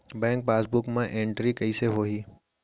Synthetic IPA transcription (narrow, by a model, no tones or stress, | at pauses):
bɛ̃ːŋk̚paːsbʊkmãʔẽːɳʈɾikɐiseɦoːɦiː